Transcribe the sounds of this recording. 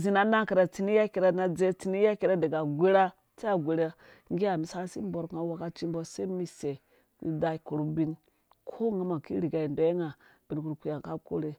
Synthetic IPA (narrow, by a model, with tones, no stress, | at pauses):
zi˨na˦na˦ŋke˨ɾa˨t͡si˦ni˦ja˦ke˨ɾa˦na˨d͡ze˦t͡si˦ni˦ja˦ke˨ɾa˦de˨ɡa˨ɡʷe˦ɾa˦ | t͡se˦a˨ɡʷe˨ɾe˦ | ŋɡi˦a˨mi˨sa˦si˦m˦bo˨ɾka˦wa˨ka˦t͡ʃi˦mbo˦se˦mi˨se˨ | mḭ˦da˨ko˨ɾu˦bi˦n | kʰo˦ŋa˦ma˨ki˦ɾi˨ɡa˨i˨ndo˨je˦ŋa˨b̥i˨n˦ku˦ɾkʷi˦ja˨ŋ˨ka˦ko̰˦ɾe˦